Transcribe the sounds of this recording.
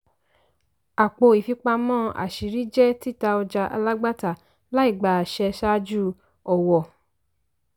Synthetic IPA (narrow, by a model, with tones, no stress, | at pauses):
a˨k͡po˧i˨fi˧k͡pa˧mɔ̃˦a̰˨ʃi˨ɾi˦d͡ʒɛ˦ti˦˨ta˧ɔ˧d͡ʒa˧ʔa̰˧la˦ɡ͡ba˦ta˦˨ | la˦i˦˨ɡ͡ba˨ʃɛ˧ʃa˦d͡ʒu˦ | ɔ˨wɔ˨